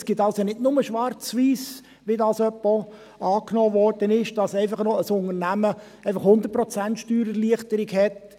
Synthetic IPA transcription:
sɡ̥ɪtɑlsjɑnɪdnʊməʃʋɑrt͡sʋiːs | ʋidɑsœpːo | ɑːknɔːvɔrd̥ənɪʃd̥ɑsɛɪfɑχnɔəsʊnəɾnæmə | ɛɪfɑχhʊnd̪əɾt̚pɾɔt͡sæntʃtyːɾəliəχtəɾiɡhɛt

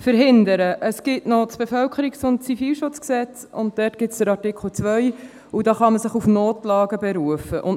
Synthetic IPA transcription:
fəɾɦɪndəɾəʔəsɡ̥ɪtnɔt͡sb̥efœlkχəɾiksʊn̚t͡sifiːlʃʊt͡sksɛt͡s | ʊ̰nt̚d̥ɛtɡ̥ɪtsd̥əɾɑɾtɪkχl̩t͡sʋœʏ | udɑːχɑməsɪχufnoːtlɑːɡəbɛɾuəfəʔʊn

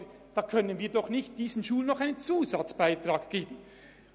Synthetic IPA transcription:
d̥ɑːkʰœnənviːɐdɔχnɪçt̚d̥iːz̥n̩ʃuːlənːɔχaɪnənt͡suːzat͡sb̥aɪtraːkɡ̥eːbən̩

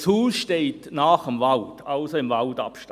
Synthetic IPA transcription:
shuːsʃteːtnaːχəmvaltaʊsoɪmvaldɑ̰pʃt

